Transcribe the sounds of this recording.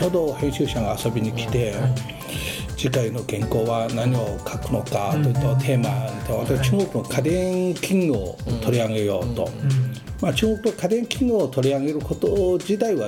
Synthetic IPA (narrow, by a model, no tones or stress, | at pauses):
oːd̪o̞hẽ̞ɕɨːɕaɡaːso̞bʲiɲ̟ikʲi̥t̪e̞ | d͡ʑikaino̞ɡẽ̞ŋko̞ːβanaɲ̟io̞kʰakɯ̟no̞kat̪oit̪ːot̪ʰe̞ːmat̪oβat̪akt͡ɕɨːŋɡo̞kɯ̟no̞kʰad̪ẽŋkʲʰĩŋɡoot̪ʰo̞ɾʲiaɡe̞jo̞ːt̪o̞̰mat͡ɕɨːŋo̞kɯ̟nokad̪ẽ̞ŋkʲĩŋɡoːt̪o̞ɾʲiaɡe̞ɾɯ̟ko̞t̪od͡ʑit̪aiβa